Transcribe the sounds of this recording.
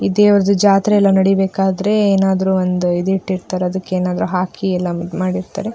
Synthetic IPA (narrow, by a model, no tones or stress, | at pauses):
id̪eːʋɐɾɐd̪ud͡ʒaːt̪ɾeɛlːɐnɐɽibeːkaːd̪ɐɾe̞eːnaːd̪ɐɾuːond̪uid̪iʈːiɾt̪aːɾeɐd̪ɐkːeeːnaːd̪ɐɾuɦaːkiɛlːɐmaːɽiɾt̪a̰ːɾe